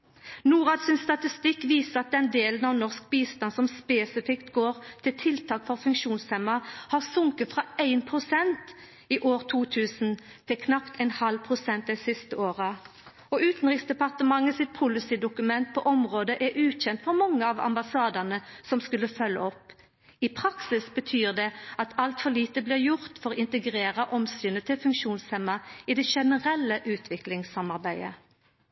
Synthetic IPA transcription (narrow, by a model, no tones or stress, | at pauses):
nuːʁɑd̪sɪnst̪ɑt̪ɪst̪ɪkːʋiːsəʁɑt̪̚d̪ɛnd̪eːlənɑʋnɔʁsk̚biːst̪ɑnsɔmspeːsɪfɪkt̪ɡoːʁt̪ʰɪlt̪ʰɪlt̪ʰɑːkfɔʁfʉŋkʂuːnsɛmɑhɑʁsʊŋkət̪fʁɑæɪnpʰʁʊsɛnt̪ | ɪʔoːʁt̪ʰuːt̪ʰʉːsn̩ | t̪ʰɪlkʰnɑpt̪ʰɛɪnhɑlpʰʁʊsɛnt̪̚d̪æɪsɪst̪əoːʁə | ɔʉːt̪n̩ʁɪksd̪ɛpɑʁt̪əmɑŋːəsɪt̪̚pʰʊlɪsiːd̪ʊkʉmɛnt̪̚pʰɔʔɔmʁoːd̪əʔɛɾʔʉːt̪çɛnt̪fɔʁmɑŋːəɑʋɑ̰mbɑsɑːd̪ɑnəsɔmskʉlːəfœlːə̰ɔpː | ipʰʁɑksɪsbət̪ʰyːʁd̪ɛɑt̪ʰɑlt̪fɔliːt̪əblɪːʁjʊʁt̪fɔʁɪnt̪əɡʁeːʁɑʔɔmsyːnət̪ʰɪlfʉŋkʃuːnshɛmɑiːd̪ɛʃɛnəʁɛlːəʔʉːt̪ʰʋɪklɪŋsɑmɑʁbæɪə̰